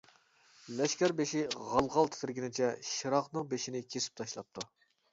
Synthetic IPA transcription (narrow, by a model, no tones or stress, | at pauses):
lɛʃkʲæɾbeʃiʁɑlˠʁɑlˠt̪ʰɪ̥t̪ʰɪɾɡʲinɪt͡ʃʰɛʃiɾɑqnɨŋbeʃinɪkʲʰesɪ̥p̚t̪ʰɑʃlˠɑp̚t̪ʰu